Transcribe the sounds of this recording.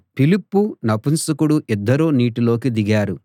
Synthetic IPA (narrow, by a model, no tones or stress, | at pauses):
pilipːunɐpunsɐkuɽuʔid̪ːɐɾoːniːʈilo̞ːkid̪iɡaːɾu